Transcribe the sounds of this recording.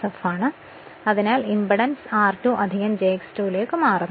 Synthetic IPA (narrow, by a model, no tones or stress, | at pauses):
ɐfaːɳɨ | ɐðinaːlimbɐɽɐnsaːrtuʔɐd̪ʱiɣɐmd͡ʑeːkstuːlejkːɨmaːrɐnː